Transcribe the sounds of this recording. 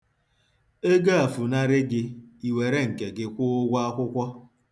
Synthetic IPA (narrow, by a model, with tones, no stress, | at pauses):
e˦ɡa˦a˨fu˨na˦ɾɪ˦ɡɪ˦i˨we˨ɾe˦ŋ̩˨ke˨ɡɪ˦˨kʷʊ˦ʊ˦ɡʷa˦a˦kʷʊ˦kʷɔ˦